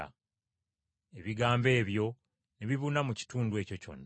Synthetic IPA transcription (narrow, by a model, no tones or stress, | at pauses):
a̰ | e̞βiɡaːmbe̞ːβjo̞ | neβiβunamuci̥tuːndue̞ːco̞co̞̰nː